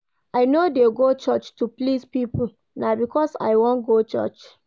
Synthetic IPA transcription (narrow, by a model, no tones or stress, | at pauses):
aɪnodeɡot͡ʃɔt͡ʃtuplispipu | nabikɔsa̰ɪwɔ̃nɡot͡ʃɔ̰t͡ʃ